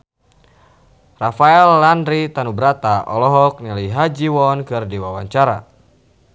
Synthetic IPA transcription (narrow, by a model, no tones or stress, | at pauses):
rafaɛlːandɾit̪anubɾat̪aʔɔ̰lɔɦɔk̚niliɦad͡ʒiwɔnkɨrdiwawaɲt͡ʃaɾa̰